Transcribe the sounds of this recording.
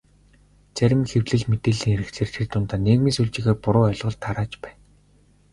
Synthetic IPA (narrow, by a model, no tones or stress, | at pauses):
t͡sæɾʲɪ̆mxewɮɘ̆ɮmet̪eːɮiːŋeɾɘ̆kt͡sʰeːrt̪ʰert̪ʊnt̪aːneːɣmiːsuɮt͡ɕɪ̆ɣeːrpʊɾʊːœɮʁɞ̆ɮt̪ʰːaɾaːt͡ɕpæːn